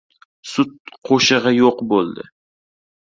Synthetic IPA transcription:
sʊt̪̚qʰoʃɨʁɑjoqbolˠd̪ɪ̰

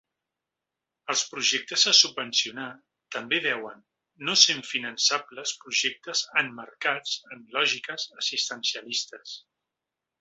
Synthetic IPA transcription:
əlˠspɾuʒek̚t̪əzəsubːənsiuna | t̪əmbeðɛwənː | oseɱfinənsabləspɾuʒek̚t̪əzəmːərkad͡zəmlɔʒikəzəsist̪ənsiəlist̪əs

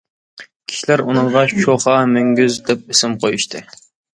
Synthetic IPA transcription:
kʲʰi̥ʃilæɾunɨɴʁɑt͡ʃʰoχɑmeŋɡʲyzd̪ɛp̚ɪsɪmqʰojuʃt̪ʰɨ

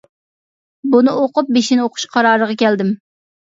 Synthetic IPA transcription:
bunɨʔoqʊp̚beʃinɪoqʰʊ̥ʃqʰɑɾɑːɾəʁɑkʲɛld̪ɪm

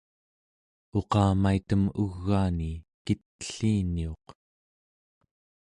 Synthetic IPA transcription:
o̞qɑːmait̪əmuɣːaːnikit̪̚ə̥ɬiːnio̞q

